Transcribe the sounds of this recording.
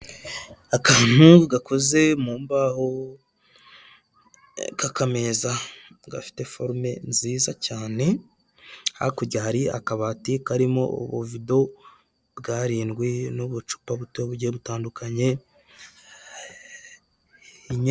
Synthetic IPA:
akaːn̥huɡako̞ze̞muːmbaho | kakame̞za | ɡa̰fi̥te̞fo̞ɾme̞nziːzacaːne̞ | ha̰kuɾɟahaɾia̰kaβaːtikaɾimo̞o̰βovido̞ | bɡaːɾiːnɡwinoβut͡ʃu̥paβuteβuɟieβutaːndukʰaɲe̞ | iɲ

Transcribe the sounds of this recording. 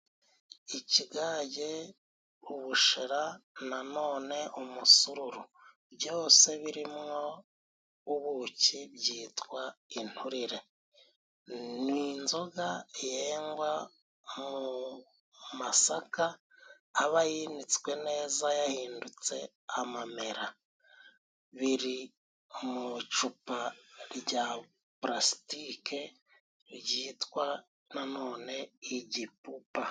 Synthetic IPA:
iciɡaɟe | uβuʃeɾanano̞ːne̞ʔumusuɾuɾu | bjo̞ːse̞βiɾimŋo̞ | uβucibɟiːtwain̥huɾiɾe̞ | niːnzoɡajeːŋɡwa | mu | masakaː | βajinit͡skwe̞ne̞ːzajahiːndut͡sḛ | amame̞ɾa | βiɾi | mut͡ʃupaɾɟa | pɾasi̥tike | ɾɟiːtwa | nano̞ːne̞iɟipupa

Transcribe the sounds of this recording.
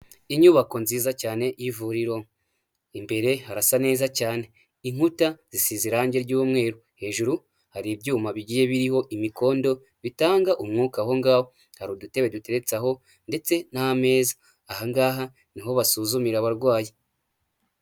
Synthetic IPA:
iɲuβako̞nziːzacaːne̞ivuɾiɾo̞ | imbe̞ɾe̞haɾasane̞ːzacaːne̞ | iŋ̥hutaz̥isiziɾaːɲɟe̞ɾɟuːmŋe̞ːɾo | he̞ːʒuɾu | haɾibɟuːmaβiɟiːje̞βiɾiho̞ʔimiko̞ːndo̞ | βitaːŋɡaʔumŋuːkaɦo̞ŋɡaːho | haɾodute̞βedute̞ɾe̞t͡saɦo̞ | nde̞t͡se̞nahame̞ːzḁː | haŋɡaːɦa | niɦho̞βasuːzumiɾaβaɾɡwaːje

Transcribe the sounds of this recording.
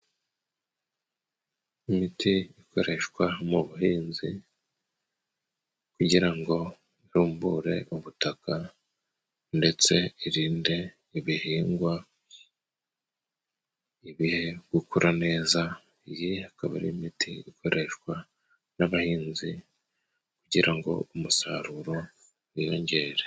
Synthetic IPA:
imitiiko̞ɾʔe̞ʃkwamuβuhiːnzi | kuɟiɾaŋɡo̞ | iɾuːmbuɾe̞̰ʔuβutaka | nde̞t͡se̞iɾiːnde̞ | iβihiːŋɡwa | iβihe̞ɡukuɾʔane̞ːza | ijiakaβaɾḭmitiikʰo̞ɾʔe̞ʃkwa | naβahiːnzi | kuɟiɾaŋɡo̞̰umusaɾuɾo̞ | ijo̞ːɲɟe̞ːɾe

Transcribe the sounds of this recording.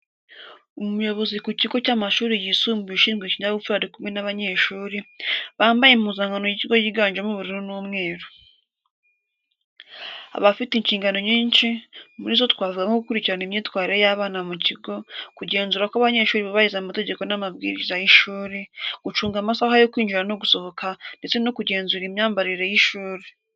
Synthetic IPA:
omumujo̞βo̞zikuciɡo̞caːmaʃuːɾijisuːmbiʃiːŋɡwecinaβufuɾaɾikumenaβaɲe̞ːʃuːɾiβaːmbajemuzaːŋɡano̞jiciɡo̞jiːɡaːɲd͡ʒemuβuɾiɾunuːmŋe̞ːɾo | a̰βafitiɲciːŋɡano̞ɲiːnʃimuɾiːzo̞tkwaːvuɡaŋoɡukuɾiciɾanimɲiːtwaːɾiɾe̞jaβaːnamuciɡo̞kuɟe̞ːnzuːɾakwaβaɲe̞ːʃuːɾiβoβajizaumate̞ɟe̞ko̞namab̚ɡḭɾḭzajiʃuːɾeɡ̥ut͡ʃuːŋɡamasaːhajo̞kwiːɲd͡ʒiɾano̞ɡuso̞ho̞kande̞t͡se̞no̞kuɟe̞ːnzuɾimɲaːmbaɾiɾejiʃuːɾe

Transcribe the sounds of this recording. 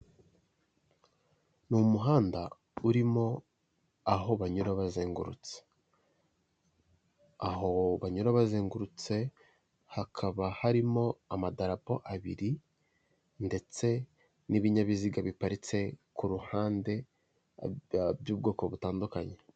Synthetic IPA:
numuɦaːnda | uɾimo̞ | aɦo̞βaɲuɾaβazeːŋɡuɾṵt͡se̥ | aɦo̞βaɲuɾaβazeːŋɡuɾut͡se̞ | hakʰaβahaɾimo̞amadaɾapo̞ʔaβiɾi | nde̞t͡se̞ | niβiɲaβiziɡaβipaɾit͡se̞kuɾuhaːnde̞ | bjuːb̚ɡo̞ːko̞βutaːndukaɲe̞

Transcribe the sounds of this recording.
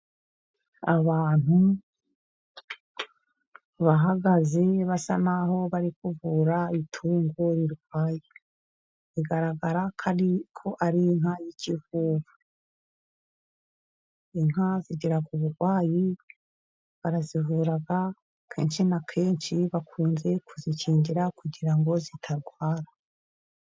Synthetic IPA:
aβaːn̥hu | βaɦaɡaze̞βasa̰naho̞βaɾikuvuɾaitʰuːŋɡoɾiɾuɡɡwaːji | iɡaɾaɡaɾakʰaikʰo̞ʔaɾiŋhajicʰivuːβu | iŋaziɟiɾakuβuɾɡwaːji | βaɾazivuːɾaɡa | kʰeːnʃinakʰe̞ːnʃiβakʰuːnze̞kʰuziciːɲɟiɾakuɟiɾaŋɡo̞zitʰaɾɡwaːɾa

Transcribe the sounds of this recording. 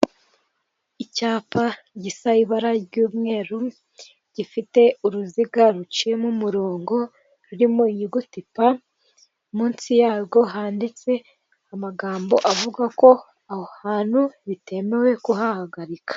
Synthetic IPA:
icaːpa | ɟisaiβaɾaɟuːmŋe̞ːɾu | ɟifite̞uɾuziɡaɾut͡ʃije̞mumuɾoːŋɡo̞ | ɾuɾimoiɲiɡutipa | muːnsijaːbɡo̞ɦaːndit͡se̞ | amaɡaːmbo̞ʔavuɡako̞ | ahohaːn̥huβite̞me̞we̞kuɦahaɡaɾikḁ

